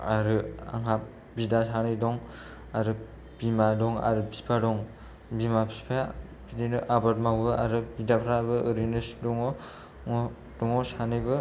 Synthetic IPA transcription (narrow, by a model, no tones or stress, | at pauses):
aɾɯa̰ŋap̚ | bidasanɯdɔŋ | aɾɯ | b̥imadɔŋa̰ɾɯbi̥pʰadɔŋ | bimapʰi̥spʰa | bidinɯʔabat̚mawbɯʔaɾɯbidapʰɾabɯɯɾinɯsdɔŋɔ | ŋɔ | d̥ɔŋɔsanɯbɯ